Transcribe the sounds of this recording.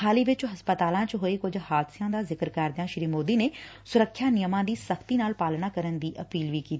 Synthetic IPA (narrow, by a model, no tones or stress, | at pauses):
kʰaːliːʋɪt͡ʃɦəspət̪aːlãːt͡ʃɦoːeːkʊd͡ʒhaːd̪sɪjãːd̪aːzɪkəɾkəɾd̪eãːʃɾiːmoːd̪iːneː | sʊɾəkʰːjaːnɪjəmãːd̪iːsəkʰt̪iːnaːlpaːlnaːkəɾənd̪iːʔəpiːlʋiːkiːt̪iː